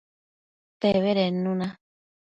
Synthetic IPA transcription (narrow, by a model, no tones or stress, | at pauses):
teβeɾenũnã